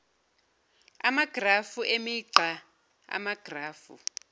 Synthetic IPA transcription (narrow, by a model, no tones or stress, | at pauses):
a̰maɡ̥rafuʔemiǀa | a̰maɡ̥ʱraːfṵ